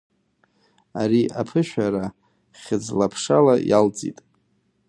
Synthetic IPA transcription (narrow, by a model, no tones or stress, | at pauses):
aɾiʔapʰɨʃᶣʷaɾa | χʲɪd͡zlapʰʂalajalt͡sʼḭtʼ